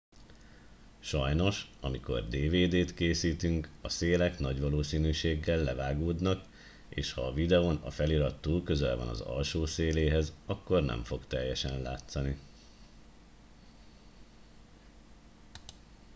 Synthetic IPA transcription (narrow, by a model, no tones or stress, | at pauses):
ʃɒjno̞ʃɒmiko̞̰rd̪eːveːd̪eːt̪keːsiːt̪yŋkɒseːlɛknɒɟʋɒloːsiːnyːʃeːɡːɛlːɛvaːɡoːd̪nɒk | eːʃhɒːvid̪ɛonɒ̰fɛliɾɒt̪ːuːkø̞zɛ̰lvɒ̰nɒ̰zɒ̰lʃoːseːleːɦɛzɒkːo̞rnɛ̰ɱfo̞kt̪ɛjːɛʃɛnla̰ːt̪sɒni